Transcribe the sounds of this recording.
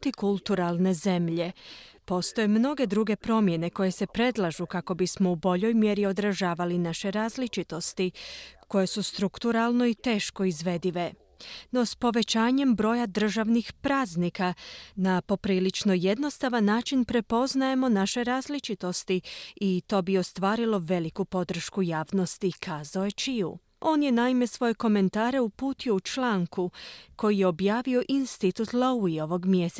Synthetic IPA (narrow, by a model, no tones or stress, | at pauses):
t̪ikulˠt̪uɾalˠne̞ze̞mʎe̞po̞st̪o̞jemno̞ɡe̞d̪ɾuːɡe̞pɾo̞mje̞ne̞ko̞je̞se̞pɾe̞d̪lˠaʒukako̞bismo̞ubo̞ʎo̞jmje̞ɾio̞d̪ɾaʒaːʋalinaʃe̞ɾaːzlit͡ʃit̪o̞st̪iko̞je̞sust̪ɾukt̪uɾalˠno̞it̪e̞ːʃko̞izʋe̞d̪iʋe̞ | no̞spo̞ʋe̞t͡ɕaːɲe̞mbɾo̞jad̪r̩ʒaʋnixpɾaːznikanapo̞pɾiːlit͡ʃno̞je̞d̪no̞st̪aʋanːaːt͡ʃinpɾe̞po̞znaje̞mo̞naʃe̞ɾaːzlit͡ʃit̪o̞st̪iit̪o̞ːbio̞st̪ʋaːɾilo̞ʋe̞likupo̞d̪r̩ʃkujaːʋno̞st̪ikʰaːzaojet͡ʃiṵ | ʔo̞ːnje̞naime̞sʋo̞je̞ko̞me̞nt̪aːɾe̞upuːt̪iout͡ʃlˠaːŋkuko̞jije̞o̞bjaːʋio̞ʔinst̪it̪ut̪lauio̞ʋo̞ɡmjes